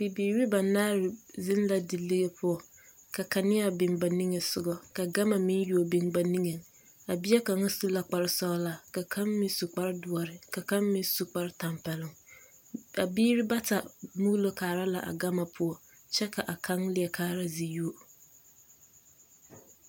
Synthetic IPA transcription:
b̥i˨biː˨ɾi˦ba˨naː˦ɾɪ˨zɪ˦n˦la˨di˨lɪ˦ɣe˦pʰʊ˦ɔ˨ | ka˨ka˨nɪ˦a˨bɪ˨ŋba˨ni˦ŋe˨sʊ˨ɡɔ˦ka˨ɡa˦ma˨mɪ̃˦n˦ju˨o˨bɪ˦˨ŋba˨ni˦ŋe˨ŋ | a˨bɪ˦ɛ˦ka˨ŋa˦su˦la˨k͡pa˨ɾɪ˦sɔ˦la˨ka˨kʰã˦mmɪ˦su˨k͡pa˦ɾɪ˦dʊ˨ɔ˨ɾɪ˨ka˨ka˦mmɪ̃˦n˦su˨k͡pa˦ɾɪ˦ta˨mpɛ˨lɪ˦ŋ | a˨biː˦ɾɪ˦ba˦ta˨mu˦ɣlo˦kʰaː˨ɾa˦la̰˨ʔa̰˨ɡa˦ma˨pʰʊ˦ɔ˦ | t͡ʃɛ˦kʰa˨ʔa˨kʰa˦ŋlɪ˨ɛ˨kʰaː˦ɾa˦zi˨ju˦o˨

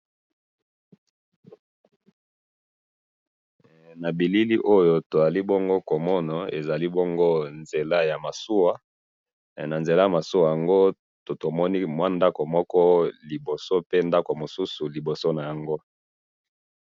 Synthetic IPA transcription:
na˨bi˨li˦li˦ʔo˦jo˦to˨za˨li˦bɔ˦ŋɡo˦ko˨mɔ˦na˨ḛ˨za˨li˦bɔ˦ŋɡo˦nze˨la˦ja˨ma˨su˦wa˦ | na˨nze˨la˦ja˨ma˨su˦wa˨ja˨ŋɡo˦ | to˨to˨mɔ˦ni˦mwa˦nda˦ko˨mɔ˦kɔ˦li˨bo˨so˦pe˦nda˦ko˨mo˨su˦su˨li˨bo˨so˦na˨ja˨ŋɡo˦

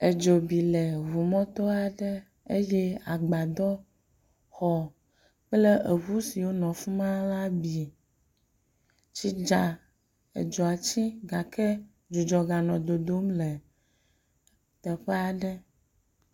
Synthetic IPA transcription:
e˨d͡ʒo˨bi˨lɛ˨ɦu˨mɔ̃˦t̪ɔ˦a˨ɖə˦ | e˦je˦a˨ɡ͡ba˨d̪ɔ˦ | xɔ˦ | ɸle˦ʔe˨βu˦si˨wo˦nɔ̃˨fu˦mã˦la˦bi˨ | t͡ɕi˦d͡ʒa˨ | ḛ˨d͡ʒɔ˨a˨t͡ɕi˦ɡa˨kʰɛ˦ | d͡ʒu˨d͡ʒɔ˨ɡa˨nɔ̃˨d̪o˨d̪o˦mlɛ˨ | t̪ɛ˨ɸɛ˦a˨ɖɛ˦

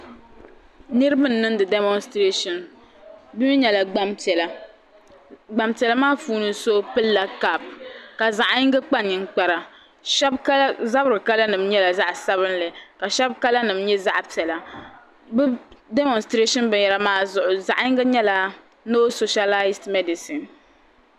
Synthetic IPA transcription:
nɨ˦ɾɨ˦bɨ˦nː˦ɨ˦n˦dɨ˨de˦mɔ˦nstɾe˦ʃɔ˨n | bi˦m˦ɲɛ˨la˨ɡ͡ba˦mtɛ˨la˨ | ɡ͡ba˨mtɛ˨la˦maː˦fuː˦nɨ˨so˦pɨ˦lːa˨ka˦p̚ka˨za˨ʔɲɪ˦ŋɡɨ˦k͡pa˦nɨ˨ŋ̩˦k͡pa˨ɾa˨ | ʃɛ˦bka˦lza˦bɾɨ˨ka˦la˦nɨ˨m̩˦ɲɛ˦la˨za˦ʔsa˦βɨ˦nlɨ˨ka˨ʃɛ˦b̚ka˦la˦nɨ˨m˦ɲɛ˦za˦ʔtɛ˨la˨ | bɨ˦de˦mɔ˨nstɾe˦ʃɔ˦nbɨ˨ɲjɛ˦la˦maː˦zʊ˨ʔʊ˨za˨ʔi˦ŋɡɨ˦ɲɛ˦la˨ | no˦so˨ʃa˦la˦stmɛ˦di˨si˨n

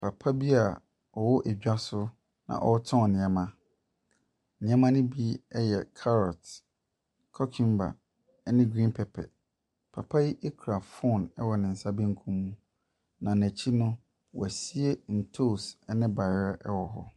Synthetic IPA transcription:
pʰa˨pʰa˦bi˦a˨ | ɔ˨wɔ˦ʔæ˨ɟᶣa˦sʊ˦ | nã̰˨ʔɔ̰˦tʰɔ̃˦ɔ˨nɪ̃˨ɛ˨mã˦˨ | nɪ̃˨ɛ˦mã˦nɪ̃˦bi˦ɛ˦jɛ˨kʰa˦ɾɔ˨t | kʰɔ˦kʰĩ˦mba̰˨˦ | nɪ̃˦ɡɾĩ˦npʰɛ˨pʰɛ̰˨ | pʰa˨pʰa˦ji˦ʔe˦kʰɾa˨fʊ˦˨nɛ˦wɔ˨nɪ̃˨n̩˨sa˦bi˦ŋ̩˦kʰũ˦mːũ˦ | nã˨n˨æ˨t͡ɕʰi˦nʊ̃˦ | wɔ̰˨æ˨si˦e˦n̩˨tʰo˦˨sɛ˦nɪ̃˦ba˨ɾɛ˦ʔɛ˦wɔ˨ɦɔ̰˦

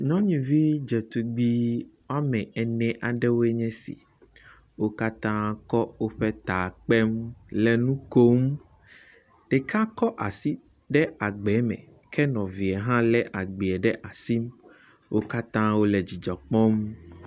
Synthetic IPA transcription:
ɲɔ̃˦ɲĩ˨vi˦d͡ʒɛ˨t̪u˨ɡ͡bi˦wa˦mɛ̃˨ɛ˨nɛ̃˨ʔa˨ɖɛ˦wo˦e˦ɲɛ̃˦sḭ˨ | wo˦ka˦t̪ã˦kɔ˦wo˦ɸɛ˦t̪a˨k͡pɛ˦mlɛ˨nũ˦ko˦m | ɖ̥ɛ˨kʰa˦kɔ˦ʔa˨si˦ | ɖɛ˦a˨ɡ͡bɛ˨˦mɛ̰̃˨ | kʰɛ˦nɔ̃˨vi˨ɛ˨ɦã˦lɛ˦ʔa˨ɡ͡bi˨ɛ˨ɖɛ˦ʔa˨si˦m | wʔo˦ka˦t̪ã˦wo˦lɛ˨d͡ʑi˨d͡ʒɔ˨k͡pɔ̃˦m

